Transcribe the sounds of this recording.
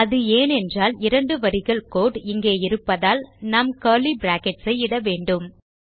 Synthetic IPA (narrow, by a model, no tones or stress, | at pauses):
ɐðɯeːnɛndraːlɪɾɐɳɖɯʋɐɾɪɣɐɭkoːʈɪŋɡeːɪɾɯpːɐðaːlnɐmkɐːlibɾaːkɛʈsɐɪɪɽɐʋeːɳɖɯm